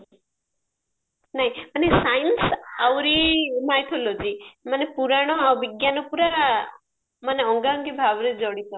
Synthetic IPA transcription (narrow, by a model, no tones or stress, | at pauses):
naɦĩmanesajnsawɾimajt̪ʰɔlɔd͡ʒimanepuɾaɽ̃ɔawbiɡjanɔpuɾaɾa | maneɔŋɡaɔŋɡibʱabɾid͡ʒɔɽit̪ɔ